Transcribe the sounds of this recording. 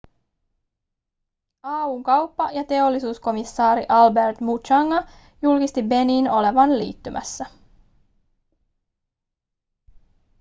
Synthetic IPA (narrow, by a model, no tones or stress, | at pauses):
ɑːuːŋkɑwpːɑjɑt̪e̞o̞lːisuːsko̞misːɑːɾiʔɑlbe̞rt̪mut͡ʃɑŋːɑ | julkist̪ibe̞niːno̞le̞ʋɑnlḭːt̪ːymʔæ̰sːæ